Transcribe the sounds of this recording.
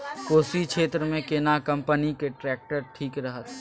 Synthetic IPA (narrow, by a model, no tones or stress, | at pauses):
koːsikʃʰeːt̪ɾəmẽkenakɐ̃mpənikeʈɾɛːk̚ʈəɾʈʰiːkɾɐɦət̪